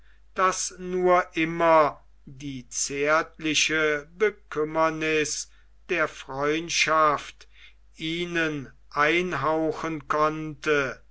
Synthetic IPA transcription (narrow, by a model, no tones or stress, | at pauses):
d̥asnuːɐʔɪmɐ | diːt͡seːɐtlɪʃəbəkʰʏmɐnɪs | d̥eːɐfʁ̥ɔʏntʃaft | ʔiːnən | ʔaɪnɦaʊxənkʰɔntə